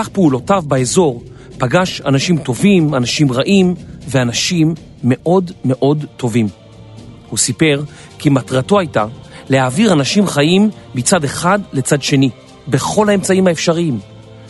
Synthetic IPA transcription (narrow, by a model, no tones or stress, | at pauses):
kaχpeulo̞tavbaezo̞ʁ | paɡaʃa̰naʃimto̞vimanaʃimʁaʔimveanaʃimː | e̞ʔo̞dme̞ʔo̞dto̞vim | husipe̞ʁ | kimatʁato̞ajtalehaːviʁanaʃimχajimːit͡sade̞χadle̞t͡sadʃe̞ni | be̞χo̞lae̞mt͡saimhaefʃaʁiim